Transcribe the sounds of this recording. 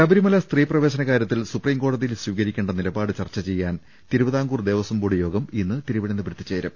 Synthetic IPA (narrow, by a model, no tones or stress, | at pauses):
jaːbɐɾimɐlɐst̪riːprɐʋe̞ːɕɐnɐkaːɾjɐt̪ːilsupriːmko̞ːɽɐðijilsʋiːɣɐɾikʲːeːɳɖɐnilɐbaːɽɨt͡ɕɐrt͡ɕːɐt͡ɕe̞jːaːn | t̪iɾubɐðaːŋɡuːrd̪e̞ːʋɐsɐmbuɽijo̞ːɡɐminːɨt̪iɾuʋɐɽɐnːɨbɾd̪ːit͡ɕːeːɾɐ̰m